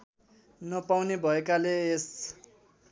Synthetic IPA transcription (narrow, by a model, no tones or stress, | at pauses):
nʌpawnebʱʌekalees